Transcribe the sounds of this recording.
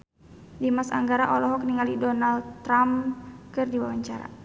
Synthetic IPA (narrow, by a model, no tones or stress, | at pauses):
dimasa̰ŋɡaɾaʔɔlɔɦɔkniŋalidɔnald̪ɾamkɨrdiwawaɲt͡ʃaɾa̰